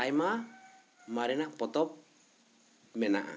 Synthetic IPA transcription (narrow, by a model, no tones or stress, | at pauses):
ajma | maɾɛnaʔpɔt̪ɔp̚ | mɛnaʔa̰